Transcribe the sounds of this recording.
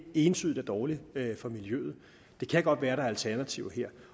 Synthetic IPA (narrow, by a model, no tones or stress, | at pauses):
e̝ːnt͡sʰyðˠd̥æd̥ɒːlifɒ̽miljø̰ːð̞̩ˠ | d̥e̝kʰæɡ̥ɒ̽d̥ʋæːɐɾɑ̈ælt͡sʰæɐnæt͡sʰiʊɦeɐ̰